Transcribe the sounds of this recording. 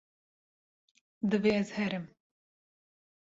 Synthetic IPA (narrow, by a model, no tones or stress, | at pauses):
d̪ɨveːɛzhɛɾɨm